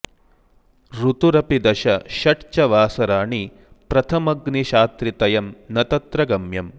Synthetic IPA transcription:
ɾut̪uɾɐpid̪ɐʃɐʃɐʈt͡ʃɐʋaːsɐɾaːɳi | pɾɐt̪ʰɐmɐɡniʃaːt̪ɾit̪ɐjɐmnɐt̪ɐt̪ɾɐɡɐmjɐm

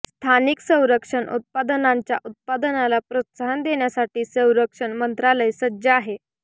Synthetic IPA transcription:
st̪ʰaniksə̃w̃ɾəkʂəɳṵt̪̚pad̪ənaɲt͡ɕjaʔut̪̚pad̪ənalapɾət̪saənd̪eɳjasaʈiːsə̃w̃ɾəkʂəɳmənt̪ɾaləjsəd͡ʑaaɦe

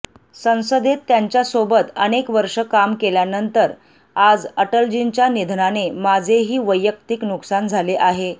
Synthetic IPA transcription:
sə̃w̃səd̪et̪ːjaɲt͡ɕjasobət̪ənekʋəɾʂəkamkeljanənt̪əɾ | ad͡zəʈəld͡ʑint͡ɕjanid̪ʱnanemad͡zʱeɦiːʋəjːək̚t̪iknuksand͡zʱaleʔaɦe

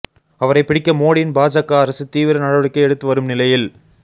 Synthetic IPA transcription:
ɐʋɐɾɐɪpːɪɽɪkːɐmoːɽɪnbaːd͡ʒakːaɐɾɐsɯt̪iːʋɪɾɐnɐɽɐʋɐɽɯkːɐɪɛɽɯt̪ːɯʋɐɾɯmnɪlɐjɪl

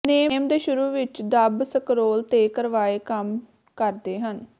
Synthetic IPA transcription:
neːmd̪eːʃʊɾuːʋɪt͡ʃd̪əbsəkɾoːlt̪eːkəɾʋaːeːkəm | kəɾd̪eːɦən

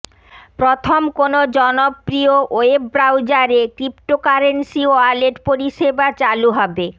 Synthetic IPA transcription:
pɾot̪ʰomkonod͡ʑɔnopɾioʔoebbɾawd͡ʑaɾekɾipʈokaɾensioaɾleʈpoɾiʃebat͡ɕaluɦɔbe

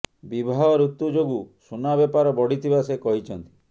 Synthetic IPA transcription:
bibʱaɦɔɾut̪ːud͡ʒoɡusunabepaɾɔbɔɽit̪ʰibasekɔɦit͡ʃʰɔnt̪i̥

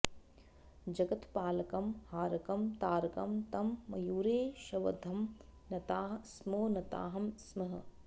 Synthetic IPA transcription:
d͡ʒɐɡɐt̪paːlɐkɐmhaːɾɐkɐmt̪aːɾɐkɐmt̪ɐmːɐjuːɾeːʃɐʋɐ̰d̪ʱɐmnɐt̪aːɦsmoːnɐt̪a̰ːɦɐmsmɐɦɐ

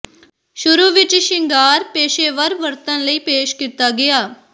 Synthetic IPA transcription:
ʃʊɾuːʋɪt͡ʃʃɪŋɡaːɾpeːʃeːʋəɾʋəɾt̪ənləiːpeːʃkiːt̪aːɡɪaː

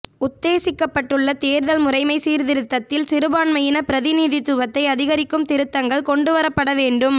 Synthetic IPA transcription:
ʊt̪ːeːsɪkːɐpːɐʈːɯɭːɐt̪eːɾðɐlmʊrɐɪmɐɪsiːɾðɪɾɯt̪ːɐt̪ːɪlsɪɾɯbaːɳmɐjɪnɐpɪɾɐðɪniːðɪt̪ːʊʋɐt̪ːɐɪɐðɪɣɐɾɪkːɯmt̪ɪɾɯt̪ːɐŋɡɐɭkɔɳɖɯʋɐɾɐpːɐɽɐʋeːɳɖɯm

